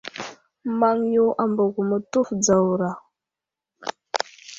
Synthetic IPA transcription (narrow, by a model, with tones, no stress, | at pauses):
ma˦ŋju˦ʔa˨mbə˨ɡu˨mə˨tu˦fd͡za˨wɾa˨